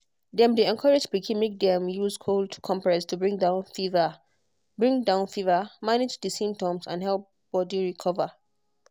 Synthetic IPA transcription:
dɛ̃mdiɛ̃nkʰɔɹed͡ʒbikʰɛ̃mik̚dɛ̃mjuzkʰoltʰkʰɔ̃mpɹɛstʰubɹĩŋdãʊ̃nfivə | bɹĩŋdãʊ̃nfivəmaned͡ʒdəsĩmp̚tɔ̃msã̰nɦɛlˠp̚ | b̥ɔdiɹikʰɔvə

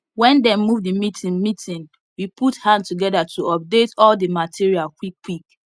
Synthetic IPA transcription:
wɛ̃ndɛ̃nmuvdimitĩnmitĩn | wipʰuthãndtuɡɛdatʰuɔp̚detɔldimatʰiɹialkwikːwik

